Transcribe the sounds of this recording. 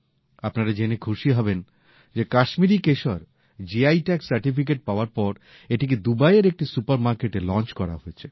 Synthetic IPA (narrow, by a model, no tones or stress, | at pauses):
apnaɾad͡ʑenekʰuʃiɦɔben | d͡ʑekaʃmiɾikeʃɔɾ | d͡ʑiajʈɛksaɾʈifik̬eʈ̚paoaɾpɔɾ | eʈik̬ed̪ubajeɾek̚ʈisupaɾmaɾkeʈelɔnt͡ɕkɔɾa̰ɦoet͡ɕʰe